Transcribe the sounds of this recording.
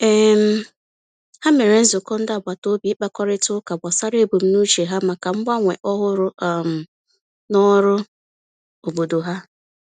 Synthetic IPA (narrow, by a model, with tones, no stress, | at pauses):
e˨m̩˦ | ha˦me˨ɾe˨n̩˦zʊ˨kɔ˦n̩˦da˦˨ba˨to˦bi˨˦k͡pa˦kɔ˦ɾɪ˦tʊ˦ka˨ba˨sa˦ɾe˦˨bo˨m̩˦nu˦t͡ʃe˨ɦa˦ma˨ka˨m̩˦ɡ͡ba˦ŋʷe˨ʔɔ˦ɦʊ˦ɾʊ˦˨m̩˨ | nɔ˦ɾʊ˦ | o˨bo˨do˨ɦa˦